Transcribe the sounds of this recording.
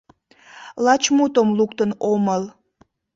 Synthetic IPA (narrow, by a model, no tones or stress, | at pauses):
lɑt͡ɕmut̪omlukt̪ənoməl